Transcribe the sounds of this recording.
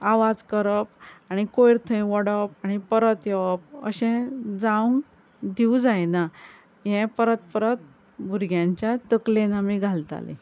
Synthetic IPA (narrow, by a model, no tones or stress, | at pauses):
aʋad͡zkəɾəpaɽ̃ikojɾt̪ʰəj̃ʋəɽəpaɽ̃ipəɾət̪jeʋəp̚ə̰ɕɛ̃d͡zãŋɡ | d̪iud͡zajna | jɛ̃pəɾət̪pəɾət̪̚ | bʱuɾɡʱjãɲt͡ɕjat̪əklenamiɡʱalt̪a̰lḛ̃